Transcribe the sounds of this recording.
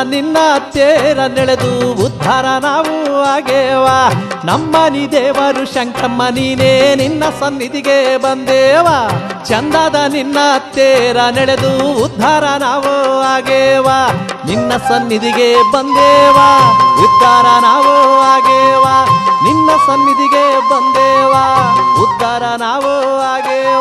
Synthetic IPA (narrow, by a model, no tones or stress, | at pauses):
ninːɐɐt̪jeːɾɐnɛɭed̪uud̪ʱːaːɾɐnaːʋuaːɡeːʋaːnɐmːɐniːd̪eːʋaɾuʃɐŋkʰɐmːɐniːneninːɐsɐnːit̪iɡebɐnd̪eːʋaːt͡ʃɐnd̪aːd̪ɐninːɐːt̪jeːɾɐnɛɭed̪uːd̪ʱːaːɾɐnaːʋoaːɡeːʋaːninːɐsɐnːit̪iɡebɐnd̪eːʋaːud̪ʱːaːɾɐnaːʋoaːɡeːʋaninːɐsɐnːit̪iɡebɐnd̪eːʋaːud̪ʱːaːɾɐnaːʋo | aːɡeː